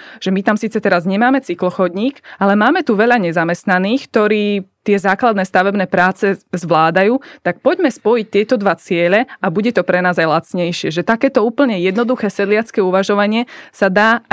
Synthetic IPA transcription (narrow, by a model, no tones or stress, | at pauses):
ʒ̥ɛmit̪amsiːt͡sɛt̪ɛɾazɲɛmaːmɛt͡siklɔxɔd̪ɲiːkalɛmaːmɛt̪uʋɛʎaɲɛzamɛst̪naniːxk̚t̪ɔɾiːt̪ɪɛzaːklad̪nɛːst̪aʋɛbnɛːpɾaːt͡sɛzʋlaːd̪ajuːt̪ak̚pɔɟmɛspɔjic̚t̪ɪɛt̪ɔd̪ʋat͡sɪɛʎɛabuɟɛt̪ɔpɾɛnaːzajlat͡sɲɛjʃɪɛʒɛt̪akɛːt̪ɔuːpl̩ɲɛjɛd̪nɔd̪uxɛːsɛd̪lɪat͡skɛːuʋaʒɔʋaɲɪɛsad̪aː